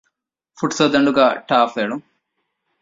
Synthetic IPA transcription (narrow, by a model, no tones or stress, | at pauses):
fuʈsod̪ɐɳɖuɡaʈaːfeːɽu